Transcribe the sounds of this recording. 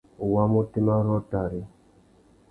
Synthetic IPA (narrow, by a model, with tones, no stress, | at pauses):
u˨wa˦mu˦ti˦ma˦ɾɔ˦ta˨ɾi˦